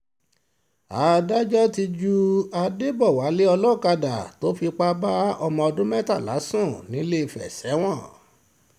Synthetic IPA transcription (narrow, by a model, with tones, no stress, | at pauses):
a̰˨˦da˦d͡ʒɔ˦ti˧d͡ʒu˦a˧de˦˨bɔ˦˨wa˨˦le˦ɔ˧lɔ˦˨ka˧da˨to˦fi˧k͡pa˦ba˦ɔ˧mɔ̃˧ɔ˧dũ˦mɛ˦ta˦˨la̰˨˦sũ˦˨nĩ˨˦le˦i˧˨fɛ̰˨sɛ˨˦w̃ɔ̃˦˨